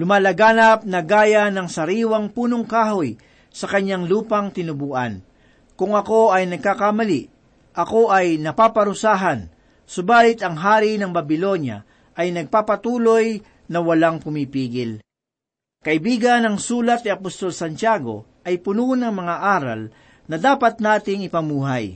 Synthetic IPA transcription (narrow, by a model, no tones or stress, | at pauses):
lʊmaːlɐɡaːnɐp̚nɐɡaːjanɐŋsɐɾiːwɐŋpuːnoŋkaːhoj | sɐkɐɲːaŋluːpɐŋt̪ɪnʊbuːʔɐ̰n | kʊŋɐko̞ɐjnɐɡ̚kakamɐliʔ | ʔɐko̞ʔɐjnɐpaːpɐɾʊsaːɦɐn | sʊbaːlɪt̪ɐŋɦaːɾinɐŋbɐbɪlo̞nja̰ | ʔɐjnɐɡ̚papɐt̪uːloj | nɐwɐlaŋpʊmipiːɡɪl | kɐʔɪbiːɡɐnɐŋsuːlɐt̪̚nɪɐpost̪o̞lsɐnt͡ʃaːɡo̞̰ʔɐjpʊnunɐŋmɐŋaʔaːɾɐ̰l | nɐd̪aːpɐt̪̚naːt̪ɪŋɪpɐmuːɦaj